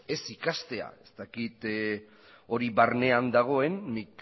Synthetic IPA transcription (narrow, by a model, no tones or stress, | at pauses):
e̞sikast̪e̞a̰e̞st̪akit̪ | o̞ɾiβaɾne̞and̪aɣ̞o̞e̞nmik